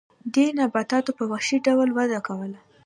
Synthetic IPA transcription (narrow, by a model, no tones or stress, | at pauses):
d̪enabat̪ɑt̪opəwaʃiɖawlwad̪akawəla